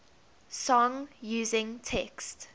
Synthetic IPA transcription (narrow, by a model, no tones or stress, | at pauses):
sɔ̃ŋjuːzɪ̃ŋtʰɛkst